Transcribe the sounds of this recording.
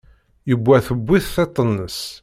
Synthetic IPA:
jəbʷːæθəbʷːiθθet̪ˤːənːəs

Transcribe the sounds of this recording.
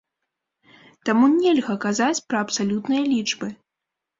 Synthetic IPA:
t̪amunʲɛlʲɣɐkazat͡sʲpɾɐɐpsalʲut̪nɨjɐlʲid͡ʐbɨ

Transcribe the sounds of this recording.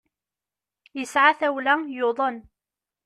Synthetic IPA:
jəsʕaθæwlæjʊðˤən

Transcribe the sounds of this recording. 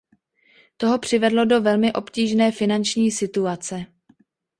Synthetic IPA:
t̪o̞ɦo̞pr̝̥ɪvɛdlo̞do̞vɛlmɪʔo̞pciːʒnɛːfɪnant͡ʃɲiːsɪt̪uat͡sɛ

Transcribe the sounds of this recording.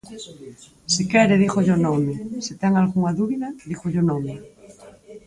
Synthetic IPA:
sikɛɾɪðixoʎonɔmɪsit̪ɛŋalɣuŋaðuβiðɐðixoʎonɔmɪ

